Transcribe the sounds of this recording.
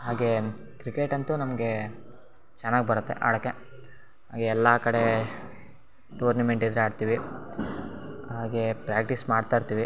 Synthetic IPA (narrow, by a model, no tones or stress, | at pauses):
ɦaːɡe̞ | kɾikeʈɐnt̪unɐmɐɡe̞ | t͡ʃɐnːaːɡebɐɾut̪ːe̞̰ʔa̰ːɭɐkːe | ɦa̰ːɡeɛlːakɐɽe | ʈuːɾnɐme̞ɳʈid̪ɾeaːɖt̪iːʋi | ɦaːɡe̞pɾaːk̚ʈismaːɖt̪ajɾt̪iːʋi